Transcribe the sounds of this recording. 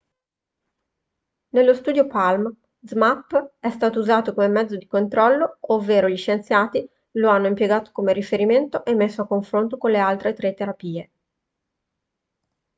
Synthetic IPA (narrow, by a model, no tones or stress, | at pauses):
nelːost̪uːd̪jopalm | zmapːɛst̪aːt̪ouzaːt̪okomemɛd̪zːod̪ikont̪ɾɔlːoovːeːɾoʎiʃent̪sjaːt̪i | loanːoimpjeɡaːt̪o̥komeɾifeɾiment̪oʔemːesːoakːoɱfɾont̪okonlealt̪ɾet̪ɾet̪eɾapiːe